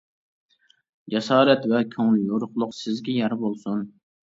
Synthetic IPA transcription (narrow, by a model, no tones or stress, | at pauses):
d͡ʒɛsɑːɾɛt̪vɛkʲʰøŋljoɾʊχlˠʊqsɪzɡʲɛjɛɾbolˠsun